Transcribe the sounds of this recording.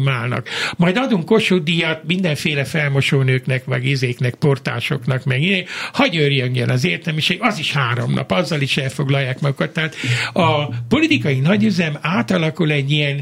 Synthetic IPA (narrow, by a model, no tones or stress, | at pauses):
maːlnɒ̰kmɒjd̪ɒd̪uŋko̞ʃud̪ijɒt̪mind̪ɛɱfeːlɛfɛlmo̞ʃoːnøːknɛkʋɒ̰ɡizeːknɛkpo̞rt̪a̰ːʃo̞knɒkmɛɡinehɒɟørjøŋjønɒzeːrt̪ɛlmiʃeːɡɒziʃhaːɾo̞̰mnɒ̰pɒzːɒliʃɛlfo̞ɡlɒjːaːkmɒɡukɒt̪ːɛɦaːt̪ɒpo̞lit̪ikɒjinɒɟyzɛmaːt̪ɒlɒkulɛɟːijɛn